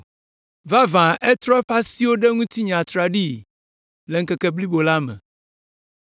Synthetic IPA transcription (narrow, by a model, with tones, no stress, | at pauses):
va˦vã˨ʔe˦t̪ɾɔ˦e˦ɸa˦si˦wo˦ɖe˦ŋũ˦t̪i˦ɲã˨t̪ɾa˨ɖi˦ | le˨ŋ̩˦kɛ˦kɛ˦bli˦bo˨la˦mɛ̰̃˨